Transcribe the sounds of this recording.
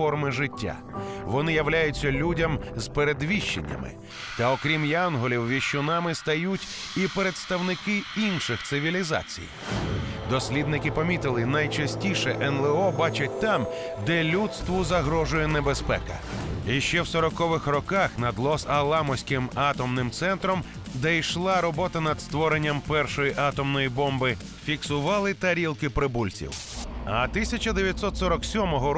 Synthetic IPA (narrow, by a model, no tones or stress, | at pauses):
ɔrmɪʒɪtʲːa̰ | ʋɔnɪjɐwlʲajʊt͡sʲːɐlʲudʲɐmz̥peɾed̪ʋʲiʃt͡ʃːḛnʲːɐ̰mɪ̰ | t̪ɐɔkɾʲimjanɦɔlʲiwʋʲiʃt͡ʃʊnɑmɪst̪ɐjutʲ | ipeɾe̞t̪st̪ɐwnɪkɪinʃɪxsɪʋʲilʲizɑ̰t͡sʲḭj | d̪ɔsʲlʲid̪nɪkɪpɐmʲit̪ɪlˠɪnɐjt͡ʃɐsʲtʲiʃɛʔɛnlˠɛɔbɑt͡ʃɐt̚ʲt̪ɑm | d̪ɛlʲut̪st̪ʋʊzɐɦɾɔʒʊjɛnɛbespɛ̰kɐ̰iʃt͡ʃɛwsɔɾɔkɔʋɪxrɔkaxnɐd̪lˠɔsɐlˠamɔsʲkɪmɑt̪ɔmnɪmt̪sɛnt̪ɾɔm | d̪ɛjʃlˠaɾɔbɔt̪ɐnɐd̪st̪ʋɔɾenʲːɐmpɛrʃɔjiʔɑt̪ɔmnɔjibɔmbɪ | fʲiksʊʋɑlˠɪt̪ɐɾʲilˠkɪpɾɪbulʲt͡sʲḭwɐ̰t̪ɪsʲɐt͡ʃɐd̪eʋjɐt̪sɔt̪sɔɾɔksʲɔmɔɦɔ